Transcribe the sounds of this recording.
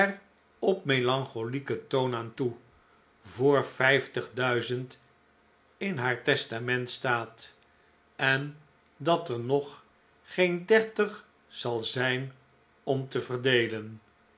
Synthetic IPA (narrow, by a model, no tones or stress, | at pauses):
ɛr | ɔpmelɑŋχolikətownaːntu | vʊːɹfɛjftəχdœɥzənt | ɪnɦaːɹtɛstamɛntstaːt | ɛn | dɑtəɹnɔχ | χejndɛɹtəχ | sɑlˠzɛjn | ɔmtəvərdejlən